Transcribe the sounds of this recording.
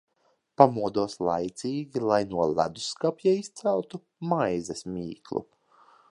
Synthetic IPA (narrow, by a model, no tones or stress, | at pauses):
pamuɔd̪uɔslˠa̰jt̪siːɡʲilˠajnuɔla̰d̪uskapʲjaist̪sælˠt̪u | majzɛsmʲiːklˠṵ